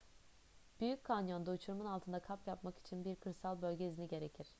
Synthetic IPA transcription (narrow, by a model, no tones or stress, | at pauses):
b̥yjyc̚kʰanjo̞nd̪aut͡ʃʰuɾumɯnalˠt̪ʰɯnd̪akʰapjapmaki̥t͡ʃʰinbiɾkʰɯɾsalˠbølʲɟeiziniɟe̞ɾe̞cʰiɾ̥